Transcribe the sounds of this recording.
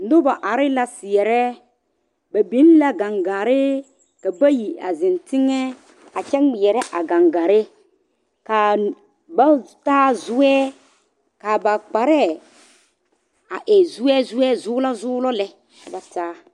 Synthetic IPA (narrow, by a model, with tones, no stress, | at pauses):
n̩˨˦dʊ˦ba˨ʔa˨ɾɪ˦la˨sɪ˨ɛ˨ɾɛ˦ | ba˨bi˦n˦la˦ɡa˨ŋɡa˨ɾɪ˦ | ka˨ba˦ji˨a̰˨zɪ˨ntɪ˦ŋɛ˦ | a˨t͡ʃɛ˦ŋɡ͡bɪ˨jɛ˨ɾɛ˦ʔa˨ɡã˨ŋɡa˨ɾɪ˦ | ka˨ | ba˦taː˦zʊ˦ɛː˦ | ka˨ba˨k͡pa˨ɾɛ˦ | a˨ʔɛ˨zʊ˦ɛ˦zʊ˦ɛ˦zʊː˦la˦zʊː˦lɔ˦lɛ˦˨ | ba˨taː˦